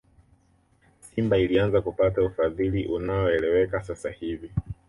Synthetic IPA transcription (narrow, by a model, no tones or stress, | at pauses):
simbailianzakupataufaðiliʔunaɔɛlɛwɛkasasahivi